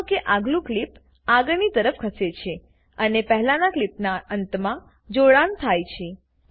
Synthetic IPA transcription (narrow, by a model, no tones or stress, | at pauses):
keʔaɡlũklip | aɡnit̪əɾəfkʰəset͡ʃʰe | ənepəɦlanaklipnaənt̪mã | d͡ʒoɭant̪ʰajt͡ʃʰe